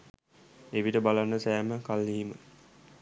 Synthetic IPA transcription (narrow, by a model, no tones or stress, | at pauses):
eʋiʈəbalanːəsæːməkalːiɦimə